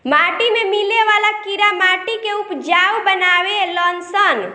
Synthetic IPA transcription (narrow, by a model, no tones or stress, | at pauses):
maʈimemileʋalakiɾamaʈikeupd͡ʒawbənaʋelɔnsən